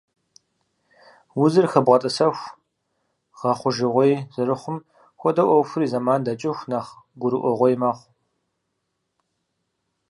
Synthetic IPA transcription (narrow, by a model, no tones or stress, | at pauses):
wʊzɨrxɐbʁɐtʼɐsɐxʷ | ʁ̥ɐχʷʊʒɪʁʷejzɨrɨχʷʊm | xʷɔdɐʔʷɔwfʷʊɾiːzɐmaːndɐt͡ʃʼɪxʷnaːχ | ɡʷʊɾɨʔʷɔʁʷɔjmaːχʷ